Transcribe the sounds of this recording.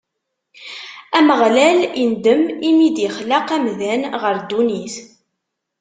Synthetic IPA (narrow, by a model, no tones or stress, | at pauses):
æməʁlælind̪əmimid̪jəχləqæmðænʁəɾd̪unis